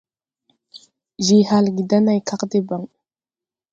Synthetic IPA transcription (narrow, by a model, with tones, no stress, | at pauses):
ʒi˨ha˨lɡi˨d̪a˦na˨jkʰa˦qd̪e˦ba˨ŋ